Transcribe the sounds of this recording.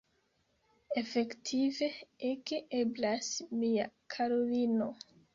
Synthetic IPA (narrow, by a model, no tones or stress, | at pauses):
efe̞ktʰive̞ekeeblasmiakʰaɾolino̞